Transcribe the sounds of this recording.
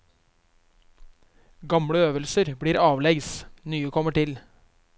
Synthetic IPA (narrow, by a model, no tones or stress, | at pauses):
ɡɑmɽəøːʋəlsəɾbɽiːɾɑːʋlɛɡsnyːəkʰɔməʈɪl